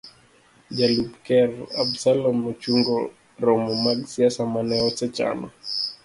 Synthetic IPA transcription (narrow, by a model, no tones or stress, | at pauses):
d͡ʒalubkɛɾa̰bsalɔmːɔt͡ʃuŋɡɔ | ɾɔmɔmaɡsiasamanɛɔsɛt͡ʃa̰nɔ̰